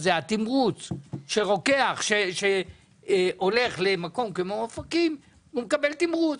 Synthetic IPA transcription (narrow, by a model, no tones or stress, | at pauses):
zehat̪imʁut͡sʃe̞ʁo̞ke̞aχʃeʃe | ole̞χlemako̞mkemoafakim | umekabe̞lt̪imʁut͡s